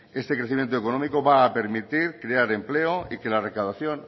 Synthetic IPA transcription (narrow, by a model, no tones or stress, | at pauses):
e̞st̪ekɾe̞θimjent̪oekono̞miko̞βaːpe̞ɾmit̪iɾkɾeaɾe̞mpleoʔike̞lare̞kawðaθjo̞n